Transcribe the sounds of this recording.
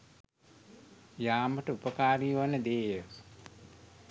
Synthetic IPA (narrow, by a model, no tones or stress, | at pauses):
jaːməʈəupəkaːɾijuʋanːəd̪eːjə